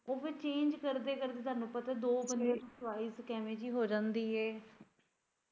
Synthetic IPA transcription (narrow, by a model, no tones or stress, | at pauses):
oːʋet͡ʃẽːɲd͡ʒkəɾd̪eːkəɾd̪eːt̪ʰaːnːũːpət̪ad̪oːbənd̪ẽːt̪ũːsʋaːiːzkɛːmẽːd͡ʒiːɦoːd͡ʒãːnd̪iːɦɛː